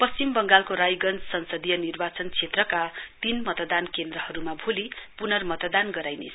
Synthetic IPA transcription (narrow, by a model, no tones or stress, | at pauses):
pʌst͡simbʌŋɡalkoɾajɡʌnt͡ssʌnsʌd̪ijʌnirbat͡sʌnt͡sʰet̪rʌkat̪inmʌt̪d̪ankend̪rʌhʌɾumabʱulipunʌrmʌt̪d̪anɡʌɾajnḛsʰ